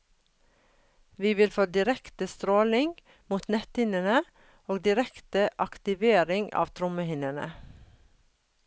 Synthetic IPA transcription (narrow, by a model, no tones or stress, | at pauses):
ʋiːʋɪlfoːd̪ɪɾɛkt̪əst̪ɾoːlɪŋɡ | muːt̪nɛt̪hɪnənə | oːɡ̚d̪ɪɾɛkt̪əʔɑkt̪ɪʋeːɾɪŋɡɑ̰ːʋt̪ʰɾʊməhɪnənə̰